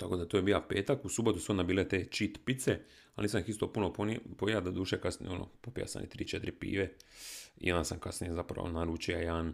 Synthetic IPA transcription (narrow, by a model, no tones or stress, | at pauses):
t̪akod̪at̪ojebiːjape̞ːt̪akusubo̞t̪usonabiːlet̪eːt͡ʃit̪pit̪se | alniːsanixist̪opunoponpojad̪ad̪uːʃekasnḭono̰popija̰sa̰nḭt̪ɾḭːt͡ʃet̪ɾipḭːʋe | ḭjond̪asamkasnijezapɾa̰ʋo̰naɾut͡ʃijajaːn